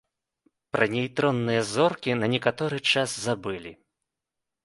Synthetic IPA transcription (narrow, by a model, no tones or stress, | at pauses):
pɾʔɐnʲɛjt̪ɾɔnːɨjɐzɔrkʲinɐnʲɛkat̪ɔɾɨt͡ʂaszabɨlʲi